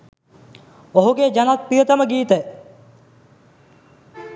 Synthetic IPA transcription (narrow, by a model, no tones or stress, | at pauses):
oɦuɡeːd͡ʒanat̪̚pijət̪əməɡiːt̪ə